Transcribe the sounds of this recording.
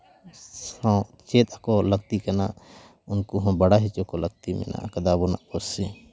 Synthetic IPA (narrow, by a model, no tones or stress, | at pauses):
ɔ̃t͡ʃet̪akɔləɡ̚t̪ikɐna̰ | ʊnkuɦɔ̃bɐɽaɦit͡ʃokɔləɡ̚t̪imɛ̰na̰kɐd̪abɔnaʔkɔsi